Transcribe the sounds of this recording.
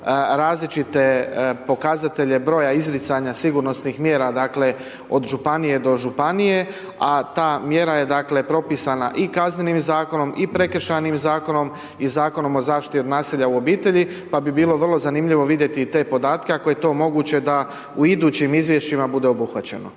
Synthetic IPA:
ɾaːzlit͡ʃit̪e̞po̞kazat̪e̞ʎe̞bɾo̞jaizɾit̪saɲasiɡuɾno̞snixmje̞ːɾad̪aːkle̞ | o̞d̪ʒupanije̞d̪o̞ʒupanije̞ | at̪aːmje̞ɾaje̞d̪akle̞pɾo̞pisana̰ʔikazne̞nimzaːko̞no̞mipɾe̞kr̩ʃanimzaːko̞no̞m | izaːko̞no̞mo̞zaːʃi̥t̪iod̪naːsiʎauo̞biːt̪e̞ʎipabibiːlo̞ʋər̩lˠo̞zanimʎiʋo̞ʋid̪je̞t̪it̪e̞ːpo̞d̪aːt̪ke̞ako̞je̞t̪o̞ːmo̞ɡuːt͡ɕe̞d̪a | uid̪uːt͡ɕimizʋje̞ʃt͡ʃimabud̪e̞obuxʋat͡ɕe̞̰no̰

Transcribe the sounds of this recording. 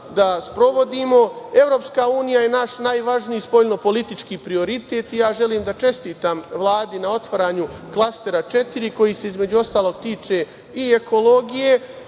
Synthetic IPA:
d̪aspɾo̞ʋo̞d̪imo̞e̞ʋɾo̞pskauːnijaje̞naʃnajʋaʒnijispo̞ʎno̞po̞lit̪it͡ʃkiːpɾio̞ɾit̪e̞ːt̪ijaːʒe̞liːmd̪at͡ʃe̞st̪iːt̪amʋlˠaːd̪inao̞t̪ʋaɾaːɲuklˠast̪e̞ɾat͡ʃe̞t̪iɾiko̞jise̞izme̞d͡ʑuo̞st̪aːlˠo̞ɡ̚t̪iːt͡ʃe̞ | ieko̞lo̞ɡije̞

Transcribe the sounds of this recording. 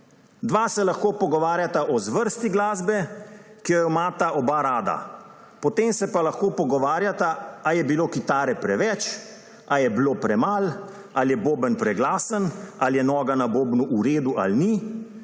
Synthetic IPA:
d̪ʋaːsɛlaxkoːpɔɡɔʋaːɾjat̪aʔɔzʋəɾst̪iɡlaːzbɛkijɔjɔmaːt̪aʔɔbaɾaːd̪a̰ | pɔt̪eːmsɛpalaxkoːpɔɡɔʋaːɾjat̪aajɛbiloːkit̪aːɾɛpɾɛʋɛt͡ʃ | ajɛbloːpɾɛmal | aljɛboːbənpɾɛɡlaːsənaljɛnɔːɡanaboːbnuʔuɾeːd̪uʔalni

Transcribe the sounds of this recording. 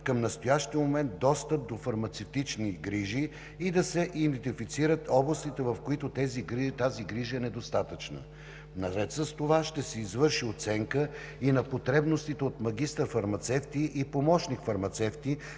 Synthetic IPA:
kəmnɐst̪ojaʃt̪iəmomɛnt̪̚d̪ɔst̪əp̚d̪ofɐɾmɐt̪sɛft̪it͡ʃniɡɾiʒiː | d̪ɐsɛʔid̪ɛnɛt̪ifit̪siɾət̪ɔblˠɐst̪it̪ɛvɐfkoit̪ot̪ɛziɡɾit̪aziɡɾiʒəɛnɛd̪ost̪at̪ət͡ʃnə̰ | nɐɾɛt̪səst̪ovaʃt̪ɛsɛizvɤɾʃiot̪sɛŋkə | inɐpot̪ɾɛbnost̪it̪ɛot̪mɐɡ̟ist̪əɾfɐɾmɐt̪sɛft̪iʔipomɔʃnikfɐɾmɐt̪sɛft̪i

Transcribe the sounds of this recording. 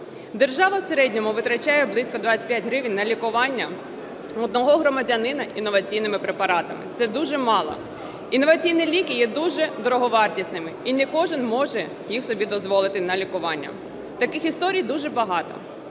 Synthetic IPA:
d̪erʒɑʋɐwseɾɛdʲnʲɔmʊʋɪt̪ɾɐt͡ʃajɛblˠɪsʲkɔd̪ʋɑat͡sʲːɐ̥tʲpjatʲɦɾɪʋɪnʲnɐlʲikʊʋɑnʲːɐ | ɔd̪nɔɦɔɦɾɔmɐdʲɐnɪnɐʔinːɔʋɐt͡sʲijnɪmɪpɾepɐɾɑt̪ɐmɪ̰t̪sɛd̪uʒɛmɑlˠɔ̰ | inːɔʋɐt͡sʲijnilʲikijɛd̪uʒɛd̪ɔɾɔɦɔʋɑrtʲisnɪmɪinɛkɔʒɪnmɔʒɛ | jixsɔbʲid̪ɔzʋɔlˠɪt̪ɪnɐlʲikʊʋɑnʲːɐ̰ | t̪ɐkɪxist̪ɔɾʲijd̪uʒɛbɐɦɑt̪ɔ̰

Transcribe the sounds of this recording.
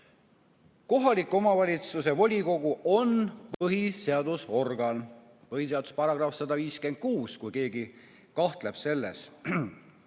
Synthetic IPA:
ko̞ɦɑlikːˑo̞mɑvɑlʲit̪suse̞vo̞lʲiko̞ɡuʔo̞npɤɦise̞ɑd̪uso̞rɡ̥ɑn | pɤhiseɑd̪̥u̥spɑɾɑɡ̥rɑfsɑd̪ɑviːskend̪̥̚kuːskujke̞ːɡi | kɑht̪le̞b̥se̞lːe̞̰s

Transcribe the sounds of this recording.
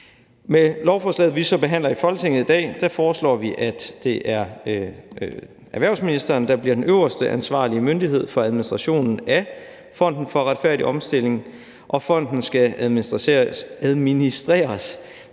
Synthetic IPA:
melɒʊfɒːslɛ̰ːð̩ˠʋisɒ̽b̥e̝ɦæn̰lɐifɒ̽lt͡sʰeŋ̰ð̩ˠid̥ɛ̰ːd̥æfɒːslɒ̰ːʋiʔæd̥ːe̝ʔæɐ | ʔæʋæɐ̰sminisd̥ɐːnd̥ɑ̈b̥liɐd̥enøʊɐsd̥əʔænsʋɑ̰̈ːliəmønd̥iɦe̝ð̞̰ˠfɒ̽æðˠminisd̥ʁɑ̈ɕo̝̰ːnn̩æ | fɒ̽n̰d̥n̩fɒ̽ʁad̥fæɐɾiʔɒ̽msd̥e̝l̰e̝ŋ | ʔɒ̽fɒ̽n̰d̥n̩sɡ̥æ | æð̞ˠminisd̥ʁḛːɐs

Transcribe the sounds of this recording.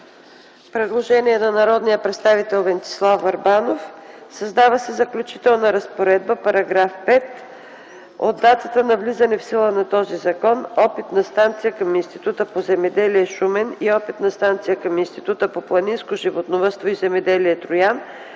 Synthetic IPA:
pɾɛd̪lˠoʒɛniɛnɐnɐɾɔd̪nijəpɾɛt̪st̪avit̪ɛlˠvɛnt̪i̥slˠafɐɾbanofsɐzd̪avəsɛzɐklʲut͡ʃit̪ɛlˠnəɾɐspoɾɛd̪̚bəpɐɾɐɡɾafpɛt̪ | o̰d̪ːat̪ət̪ənɐvlizɐnɛfsilˠənɐt̪ɔzizɐkɔnɔpit̪nɐst̪ant̪sijəkɐminst̪i̥t̪ut̪əpozɛmɛd̪ɛliɛʃumɛniɔpit̪nɐst̪ant̪sijəkɐminst̪i̥t̪ut̪əpoplˠɐninskoʒivot̪novəst̪voizɛmɛd̪ɛliɛt̪ɾʊjan

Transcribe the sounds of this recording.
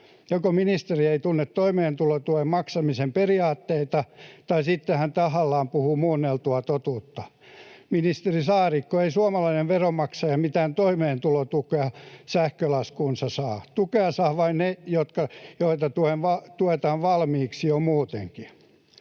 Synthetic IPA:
jokominist̪erieit̪unːet̪t̪oimeːnt̪ulot̪uhemmɑksɑmisemperiɑːt̪ːeit̪ɑt̪ɑisit̪ːehænt̪ɑhɑlːɑːmpuhumuːnːelt̪uɑt̪ot̪uːt̪ːɑ | minist̪erisɑːrikːoeisuɑmɑlɑineʋʋeromɑksɑjɑmit̪æːnt̪oimeːnt̪ulot̪ukeɑsæhkølɑskunsɑsɑːt̪ukeɑsɑːʋɑinnejot̪kɑjoit̪ɑt̪uenʋɑt̪uet̪ɑːʋʋɑlmiːksiomuːt̪ḛŋki

